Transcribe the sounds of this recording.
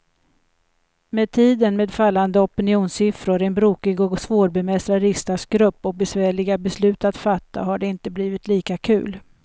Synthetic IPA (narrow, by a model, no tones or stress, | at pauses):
meːd̪̚t̪ʰiːd̪ənmeːd̪falːand̪əɔpɪnɪuːnsɪfɾʊɾɛnbɾuːkɪɡɔɡsvoːɾbɛmɛst̪ɾaɾɪst̪asɡɾɵpːɔk̚bɛsvæːɭɪɡabɛslʉ̟ːt̪at̪fat̪ʰːa̰ɦaɖɛɪnt̪əbliːvɪt̪liːkakʰʉ̟̰ːl